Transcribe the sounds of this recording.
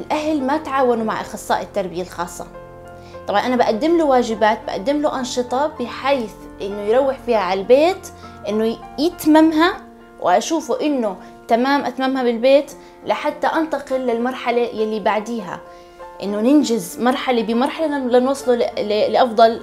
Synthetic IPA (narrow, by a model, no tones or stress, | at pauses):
ʔɪlʔaɦlmat̪ʕaːwanumaʕʔɑ̰xɑsˤːɑ̰ːʔɪt̪ːɑɾˤbɪjalxɑːsˤːɑ̰ | t̪ˤɑbʕɑnʔanabaʔad̪ːɪmluwaːʒɪbaːt̪̚ba̰ʔa̰d̪ːɪmluʔɑnʃɨt̪ˤɑbɪħaːθ | ʔɪnːʊjɾˤɑwːɪħfiːhaʕaalbeːt̪ʔɪnːʊjɪt̪mamɦa | wʔɪ̰ʔaʃuːfuʔɪnːʊ | t̪amaːmʔat̪mamhabɪlbeːt̪ | lɪħad̪ːaʔant̪ɑqɪlːɪlmɑɾˤħalajalːibaʕd̪iːɦa̰ | ʔɪnːʊnɪnd͡ʒɪzmɑɾˤħalabɪmɑɾˤħalalɪnwɑsˤːluɪlɪʔɑfd̪ˤɑl